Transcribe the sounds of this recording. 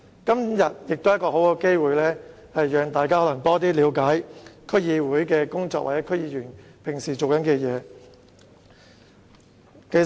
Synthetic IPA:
kɐ˥mjɐ˨t̚jɪ˨k̚t̪o˥jɐ˥tkɔː˧ho˨˥wkɔː˧ke˥jwuː˨˧jlɛː˥ | hɐ˨jːœː˨˧ŋt̪aː˨jk̬aː˥hɔ˨˥lɐ˨˩ŋt̪ɔː˥t̪̬iː˥liː˨˧wkaː˨˥jkʰɵ˥jiː˧wuː˨˥jkɛː˧kʊ˥ŋt͡sɔː˧k̚waː˨˩t͡sɛː˨˥kʰɵ˥jiː˧jyː˨˩npʰɪ˨˩ŋsiː˨˩t͡so˨wkɐ˨˦nkɛː˧jɛː˨˧ | ke˥˧

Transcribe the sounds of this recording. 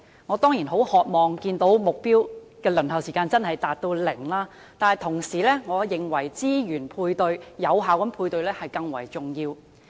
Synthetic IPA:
ŋɔː˨˧t̪ɔː˥ŋjiː˨˩nɦo˨˥whɔː˨k̚mɔː˨˩ŋkiː˧nt̪o˨˥wmʊ˨k̚piː˥wkɛː˧lɵ˨˩nɦɐ˨wsiː˨˩kaː˧nt͡sɐ˥nhɐ˨jt̪aː˨t̚t̪o˧wlɪ˨˩ŋlaː˥ | t̪aː˨nɐ˨jt̪ʰʊ˨˩ŋsiː˨˩lɛː˥ŋɔː˨˧jɪ˨ŋwɐ˨˩jt͡siː˥jyː˨˩npʰuː˧jt̪ɵ˧ɥjɐ˨˧wɦaː˨˥wkɐ˨˦mpʰuː˧jt̪ɵ˧ɥlɛː˥hɐ˨jkɐ˧ŋwɐ̰˨˩jt͡sʊ˨ŋjiː˧w

